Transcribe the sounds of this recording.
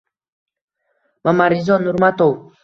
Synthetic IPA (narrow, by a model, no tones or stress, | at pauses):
mamaɾizɔnːuɾmat̪ow